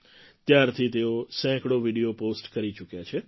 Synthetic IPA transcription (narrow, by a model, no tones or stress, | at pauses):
t̪jaɾt̪ʰit̪eosɛ̃kɽoʋiɽioposʈkəɾit͡ʃukjat͡ʃʰe